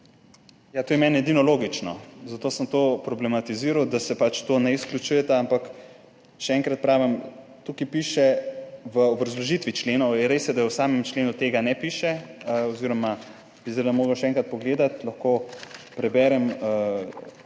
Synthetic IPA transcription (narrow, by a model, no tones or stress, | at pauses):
jat̪oːjɛmɛnɛd̪inɔloːɡit͡ʃnɔ̰zat̪oːsəmt̪oːpɾɔblɛmat̪iziɾawd̪asɛpat͡ʃt̪oːnɛisklʲut͡ʃujɛt̪aampak | ʃɛɛŋkɾat̪̚pɾaːʋim | t̪ukipiʃɛʋəɔbɾɐzlɔʒit̪ʋit͡ʃleːnɔwjɛɾeːsjɛd̪aɛwsaːmɛmt͡ʃleːnut̪eːɡanɛpiʃɛəɔziɾɔma | b̥isdɛd̪amoːɡəʃɛɛŋkɾat̪̚pɔɡleːd̪at̪lɐxkopɾɛbɛːɾɛmə